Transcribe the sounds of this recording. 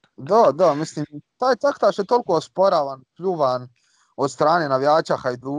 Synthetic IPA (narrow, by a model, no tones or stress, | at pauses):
d̪ad̪amisliːmt̪aːjt̪akt̪aʃjet̪olkoːspoɾaːʋanpʎʲuʋan | od̪st̪ɾaːneːnaʋjaːt͡ʃaxajd̪ɾuː